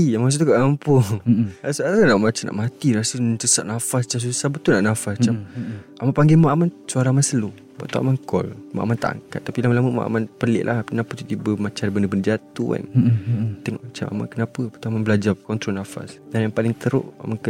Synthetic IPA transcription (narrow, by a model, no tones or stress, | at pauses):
ijamaas̬ut̪ukaʔkampʊŋasasunaʔmat͡ʃana̰ʔmat̪iɾasususaʔnafast͡ʃas̬usahbət̪ʊlnaʔnafast͡ʃamʔamaʔpaŋɡɪmaʔamansuaɾaamansəlu | ba̰ʔt̪aʔa̰maŋkɔlma̰ʔa̰mant̪a̰ʔa̰ŋka̰t̪ːapilamalaməma̰ʔa̰manpəlɪ̰ʔlʔa̰hpənapət̪ut̪ibəmat͡ʃanbəndəbəndəd͡ʒat̪ṵka̰n | t̪ɛŋɔʔmat͡ʃamʔa̰ma̰nkənapəpət̪amanbəlad͡ʒakɔnt̪ɾɔnafa̰sdanjaŋpalɪŋt̪əɾo̰ʔa̰makə